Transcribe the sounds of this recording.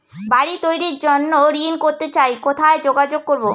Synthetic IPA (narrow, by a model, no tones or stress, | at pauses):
baɾit̪ojɾiɾd͡ʑonːoɾinkoɾt̪et͡ɕajkot̪ʰaed͡ʑoɡad͡ʑoɡ̚koɾbo